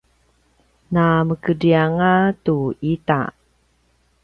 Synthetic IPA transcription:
naməkədiaŋatuita̰

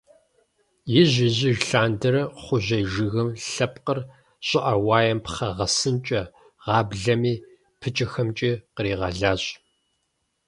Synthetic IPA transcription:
jɪʑɪʑɪʒɬaːndɐɾɐχʷʊʑɐjʒɨɣɨmɬɐpqər | ɕʼɪʔɐwaːjɐmpχɐʁɐsɨnt͡ʃʼɐ | ʁ̥ɑːbɮɐmiː | pʰɨt͡ʃʼɐxɐmt͡ʃʼiːqəɾiːʁɐɮaːɕʼ

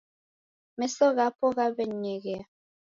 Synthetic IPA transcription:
mɛsɔɣapɔɣabɛɲɛɣɛa

